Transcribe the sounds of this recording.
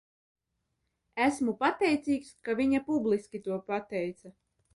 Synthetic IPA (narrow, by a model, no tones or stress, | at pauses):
æsmupat̪ɛjt̪siːkskavʲiɲapublˠiskʲit̪uɔpat̪ɛjt̪sa